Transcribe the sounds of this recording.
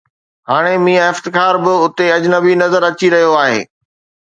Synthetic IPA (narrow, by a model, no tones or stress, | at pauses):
ɦaːɽ̃emĩːãɪft̪ɪkaːɾbɪʊt̪eɐd͡ʑnəbinɐzəɾɐt͡ɕiɾɐɦijoaːɦḛː